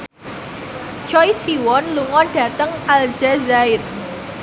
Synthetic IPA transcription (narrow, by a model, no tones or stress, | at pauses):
t͡ʃɔjsiwɔnluŋɔnɖ̥ä̤t̪əŋald͡ʒ̥azaɪr